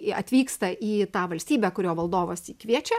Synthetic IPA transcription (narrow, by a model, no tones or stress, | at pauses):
ɐt̪ʲʋʲiːkst̪ɐʔiːt̪ɑːʋɐlʲsʲt̪ʲiːbʲɛːkʊɾʲoːʋɐlˠd̪oːʋoːsiːkʋʲiɛt͡ʃʲɛ